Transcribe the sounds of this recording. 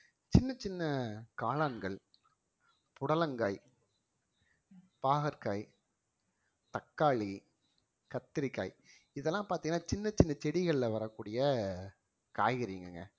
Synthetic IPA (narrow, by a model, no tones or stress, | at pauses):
t͡ʃɪnːɐt͡ʃɪnːɐkaːlaːnɡɐɭ | pʊɽɐlɐŋɡaːɪ | paːɣɐɾkɐɪ | t̪ɐkːaːɭi | kɐt̪ːɪɾɪkːa̰ːɪ | ɪðɛlːãːpaːɾt̪iːŋɡɐnaːt͡ʃɪnːɐt͡ʃːɪnːɐt͡ʃɛɽɪɣɐɭɪlɐʋɐɾɐkːuːɽɪjɐ | ka̰ːjɣɪɾiːŋɡɐ̰ŋɡɐ̰